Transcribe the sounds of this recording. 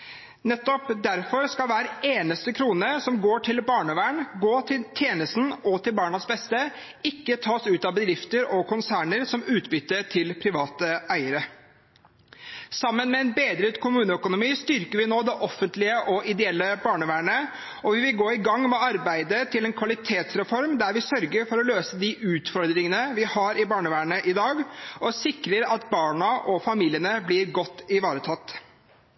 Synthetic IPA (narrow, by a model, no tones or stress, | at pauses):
nɛt̪ːɔpd̪æɾfɔɾskɑlʋæːɾeːnəst̪əkʰɾuːnəsɔmɡoːʈʰɪlbɑːɳəʋæːɳɡoːt̪ʰɪlt̪ʰjeːnəst̪n̩ɔt̪ʰɪlbɑːɳɑsbɛst̪ə | ɪkːət̪ʰɑːsʉːt̪ɑbəd̪ɾɪft̪əɾɔkʰʊnsæːɳəɾsɔmʉːt̪bʏt̪ːəʈʰɪlpʰɾɪʋɑːt̪əæɪəɾə | sɑmːənmɛɛnbeːd̪ɾət̪kʰʊmʉːnəœkʊnʊmiːst̪ʏɾkəɾʋɪnoːd̪ɛʔɔfːənt̪lɪəʔɔʔɪd̪ɛɛlːəbɑːɳəʋæːɳə | ɔʋɪʋɪlɡoːɪɡɑŋːmɛɑɾbæɪd̪ət̪ʰɪlɛnkʰʋɑlɪt̪ʰeːt̪sɾɛfɔɾmd̪æɾʋɪsœɾɡəɾfɔɾɔløːsəd̪ɪʔʉːt̪fɔɾd̪ɾɪŋənəʋɪhɑːɾɪbɑːɳəʋæːɳəʔɪd̪ɑːɡɔsɪkɾəɾɑt̪bɑːɳɑʔɔfɑmiːlɪənəblɪɾɡɔt̪ːɪʋɑːɾət̪ʰɑt̪ː